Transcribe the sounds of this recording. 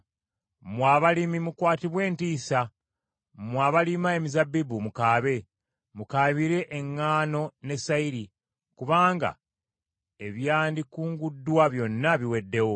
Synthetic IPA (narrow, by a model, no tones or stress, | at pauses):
mwaːβalimimukwaːtiβwe̞ːntiːsa | mwaːβalimae̞mizabːibumukaːβe̞ | mukaːβiɾe̞ʔeŋːaːno̞ne̞saiɾi | kuβaːŋɡa̰ | e̞βjaːndikuːŋɡudːwaβjo̞nːaβiwe̞dːe̞wo